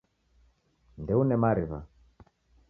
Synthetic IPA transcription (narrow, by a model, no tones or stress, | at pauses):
ndɛunɛmaɾiβa̰